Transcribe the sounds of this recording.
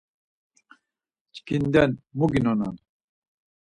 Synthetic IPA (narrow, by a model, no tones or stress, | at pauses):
t͡ʃʰkind̪ɛnmuɡinɔna̰n